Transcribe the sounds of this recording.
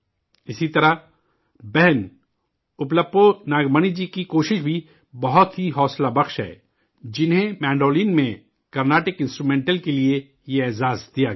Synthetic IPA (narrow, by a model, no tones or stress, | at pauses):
ɪsit̪ɐɾə | bɛɦɛn | ʊpləpːonaːɡməñid͡ʒikikoːʃɪʃbʱi | bɐɦʊt̪ɦiɦɔːslabɐxʃɦɛ̰ː | d͡ʒɪnɦẽmɛ̃ːɳɖoːliːnmẽ | kɐɾnaːʈɪkɪ̃nsʈɾuːmẽːɳʈəlkelie | jeeːzaːzd̪ija